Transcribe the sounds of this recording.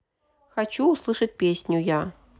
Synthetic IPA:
xat͡ɕuːslˠɨʂət̚ʲpʲesʲnʲuja

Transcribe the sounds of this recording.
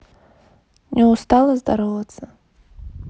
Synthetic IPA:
nʲɛwst̪alˠɐzd̪aɾɔvɐt̪sɐ

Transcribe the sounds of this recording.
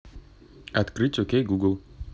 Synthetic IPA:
ɐt̪kɾɨtʲɔkʲejɡuɡlˠ

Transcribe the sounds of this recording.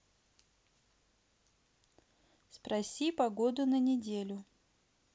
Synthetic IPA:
spɾɐsʲipɐɡod̪ʊnənʲɪdʲelʲʊ

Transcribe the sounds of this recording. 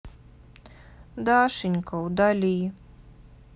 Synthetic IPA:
d̪aːʃiɲʲkawd̪alʲiː

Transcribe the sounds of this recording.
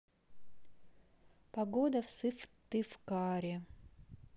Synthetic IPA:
pɐɡod̪ɐfsɨft̪ːɨfkaɾʲɪ

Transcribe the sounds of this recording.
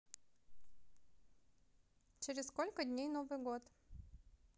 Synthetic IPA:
t͡ɕɪɾʲɪsskolʲkədʲnʲejnovɨjɡot̪

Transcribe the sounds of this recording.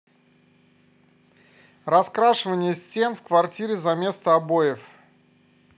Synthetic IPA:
rɐskɾaʂɨvənʲɪjəsʲtʲe̞nfkvɐrtʲiɾʲɪzɐmʲe̞st̪əɐbo̞jɪf

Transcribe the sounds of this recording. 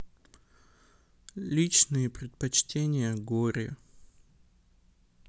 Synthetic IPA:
lʲit͡ɕnɨjəpɾʲɪt̪̚pɐt͡ɕtʲenʲɪjəɡoɾʲɪ

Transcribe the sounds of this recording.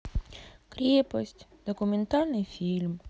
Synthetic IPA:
kɾʲepɔsʲtʲd̪̥ɔkumʲent̪alʲnɨjfʲilʲm

